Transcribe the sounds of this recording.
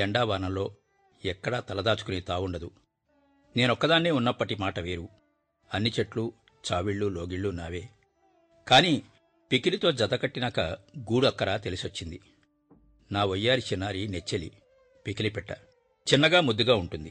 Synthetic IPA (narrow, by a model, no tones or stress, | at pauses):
ɐɳɖaːʋaːɾnɐmlo̞ː | ɛkːɐɽaːt̪ɐlɐd̪aːt͡ʃu̥kunit̪aːwuɳɖɐd̪u | ne̞ːnɔkːɐd̪aːnːeːunːɐpːɐʈimaːʈɐʋeːɾu | ɐnːit͡ʃeʈlu | t͡ʃaːʋiɭːulo̞ːɡiɭːunaːʋe̞ː | kaːni | pikilit̪o̞ːd͡ʒɐt̪ɐkɐʈːinakɐɡuːɽuɐkːɐɽaːt̪elisiot͡ʃːind̪i | naːʋojːaːɾit͡ʃinːaːɾinet͡ʃːeli | pikilipɛʈːɐ | t͡ʃinːɐɡaːmud̪ːuɡaːuɳʈund̪i